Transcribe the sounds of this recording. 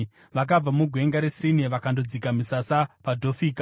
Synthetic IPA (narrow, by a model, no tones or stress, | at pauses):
ʋak̬ab͡vamuɡʱwe̞ŋɡaɾesiniʋakandod͡zikamisasapadʱo̞fiːka